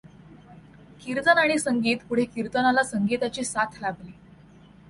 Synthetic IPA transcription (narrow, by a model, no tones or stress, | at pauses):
kiɾt̪ənaɽ̃isəŋɡiːt̪puɽ̤ekiɾt̪ənalasəŋɡit̪at͡ɕiːsat̪ʰlable